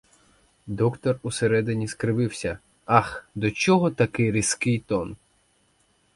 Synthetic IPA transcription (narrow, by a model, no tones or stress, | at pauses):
d̪ɔkt̪ɔruseɾɛd̪ɪnʲiskɾɪʋɪwsʲɐ | ɑxd̪ɔt͡ʃɔɦɔt̪ɐkɪjɾʲiskɪjt̪ɔn